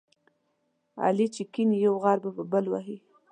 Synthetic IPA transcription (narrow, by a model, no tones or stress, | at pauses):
ɑ̰lit͡ʃɪkinijawɣɑɾbapəbəlwaɦi